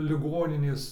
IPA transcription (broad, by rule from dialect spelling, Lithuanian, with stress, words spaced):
lʲɪˈɡoːnʲɪnʲeːs